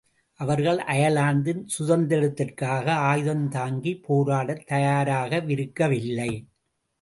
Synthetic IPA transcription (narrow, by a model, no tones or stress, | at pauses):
ʔɐʋɐɾɣɐɭʔɐjɐlaːnd̪ɪnsʊðɐnd̪ɪɽɐt̪ːɪrkaːɣɐaːjðɐnt̪aːŋɡipoːɾaːɽɐt̪ːɐjaːɾaːɣɐʋɪɾɯkːɐʋɪlːɐɪ